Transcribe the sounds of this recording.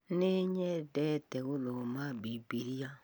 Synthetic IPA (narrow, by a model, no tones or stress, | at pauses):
neɲɛdɛtɛwulomabibiɾija